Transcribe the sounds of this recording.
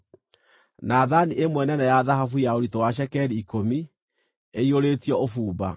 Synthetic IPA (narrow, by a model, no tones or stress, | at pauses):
naðaniʔemwɛnɛnɛjaðahafujaoɾitowaʃ̬ɛkɛɾiːkomi | eioɾeːtiɔofuːba̰